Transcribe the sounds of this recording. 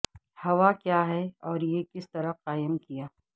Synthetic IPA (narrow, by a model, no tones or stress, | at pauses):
hɐʋakjaːɦɛɔːɾjekɪst̪ɐɾəqaːəmkijaː